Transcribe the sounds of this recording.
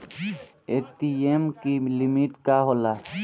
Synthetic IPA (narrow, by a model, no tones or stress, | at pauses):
eːʈiemkilimiʈkaɦola